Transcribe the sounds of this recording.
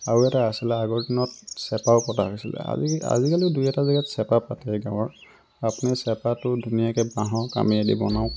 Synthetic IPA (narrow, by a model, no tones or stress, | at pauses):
aɹuɛtaasilɛaɡɔɹdinɔt̚sɛpaʊpɔta̰ɦojsilɛ̰a̰a̰zikaliʊdujɛtazaɡatsɛpapatɛɡãw̃ɔɹ | apunɛsɛpatʊdʱunijakɛbaɦɔ̃ka̰miedibɔ̰naʊ̃